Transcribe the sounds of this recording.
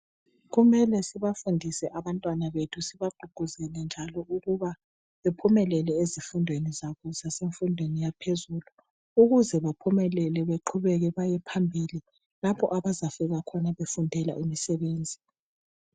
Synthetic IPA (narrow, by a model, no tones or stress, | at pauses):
ɣumɛlɛsiβafundʱisɛʔaβantʼwanaβetʰusiβaɡ͡ǃʱuɡ̥ʱuzɛlɛnd͡ʒʱalɔuɣuβa | βepʰumɛlɛlɛezifundʱwenizaβɔzaseɱfundʱwenijapʰezulu | uɣuzɛβapʰumɛlɛlɛβeǃʰuβɛɣɛβajɛpʰambʱili | lapʰɔʔaβazafiɣakʰɔnaβefundʱɛla̰ʔimisɛβeːnd͡zʱi